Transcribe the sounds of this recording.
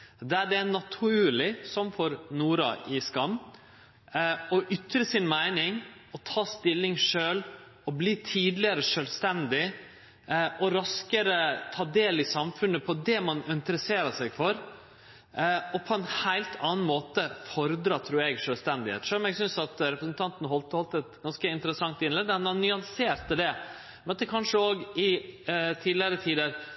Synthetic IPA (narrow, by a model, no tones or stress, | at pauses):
d̪ɛæɖɛænɑt̪ʰʊʉːlɪsɔmfɔɾnuːɾɑ̰ʔɪskɑmː | ɔʔʏt̪ɾəsɪnmæɪnɪŋɔt̪ʰɑːst̪ɪlːɪŋʂøːl | ɔbliːt̪ʰiːd̪lɪəɾəʂœːlst̪ɛnd̪ɪ | ʔɔɾɑskəɾət̪ʰɑːd̪eːlɪsɑmfʉnːəpʰɔd̪ɛmɑnɪnt̪əɾəseːɾəsɛɡfɔɾ | ɔpʰɔɛnhæɪlt̪ʰɑːnmoːt̪əfɔɾd̪ɾɑːt̪ʰɾuːɾɛɡʂœːlst̪ɛnd̪ɪhḛt̪ʂɔlɔmɛɡsʏnsɑt̪ɾɛpɾəsnt̪ʰɑnt̪ənəɦɔlt̪hɔlt̪əɛt̪ɡɑnskəɪnt̪əɾəsɑŋt̪ɪnlɛd̪əmɛnɑnnʏɑnseːɾt̪əd̪ɛ | mɛnɑt̪d̪ɛkʰɑnʂəoːɡɪt̪ʰiːd̪lɪəɾət̪ʰiːd̪əɾ